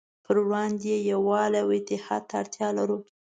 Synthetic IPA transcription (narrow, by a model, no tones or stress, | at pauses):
pʰəɾɽɑnd̪jejawɑlawɪt̪ɪhɑ̰d̪̚t̪ʰaaɽt̪jɑlaɾu